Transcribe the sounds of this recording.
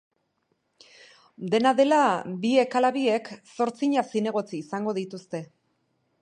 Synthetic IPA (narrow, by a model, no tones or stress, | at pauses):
d̪e̞naðe̞labie̞kalaβie̞kso̞ɾt͡siɲasine̞ɣ̞o̞t͡siːsaŋɡo̞ð̞it̪ust̪e̞